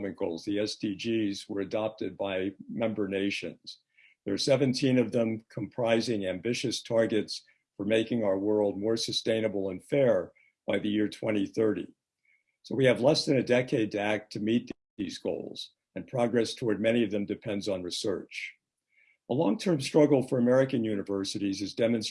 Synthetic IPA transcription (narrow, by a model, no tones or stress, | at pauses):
mɨ̃nɡ̥oʊlˠzðiɛsdid͡ʒizwə˞ɨdɑp̚tɨd̚baɪmɛ̃mbə˞neɪʃɨ̰̃nz̥ | ðə˞sɛvɨ̃ntʰĩnʌvðə̃mkʰə̃m̩pʰɹ̥aɪzɪ̃ŋæ̃mbɪʃɨstʰɑɹɡɨts | fə˞meɪkɪ̃ŋaʊə˞wɜ˞lˠd̚mɔɹsɨstẽɪ̃nɨbl̩ˠə̃nfɛɹ | b̥aɪðɨjɪɹtʰw̥ɛ̃ɾ̃iθɜ˞ɾḭ | soʊwiɨvlɛsðɨ̃nɨdɛkʰeɪd̚tʰɨæk̚tʰɨmit̪̚ | ðizɡo̰ʊlˠz̥ | ɨ̃npʰɹ̥ɑɡɹɛstʰɔɹd̚mɛɾ̃iʌvðɨ̃mdɨpʰɛ̃ndzn̩ɹisɜ̰˞t͡ʃ | əlɔ̃ŋtʰɜ̃˞mstɹ̥ʌɡl̩ˠfə˞əmɛɹɨkɨ̃njʉnɨvɜ˞sɨɾizɨzdɛmɨ̃ns